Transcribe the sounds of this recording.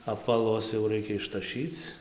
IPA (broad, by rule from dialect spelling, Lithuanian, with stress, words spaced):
ɐpʋɐˈlˠʊs jɛʊ ˈrɐɪkʲɛ ɪʃtɐˈʃʲiːt͡s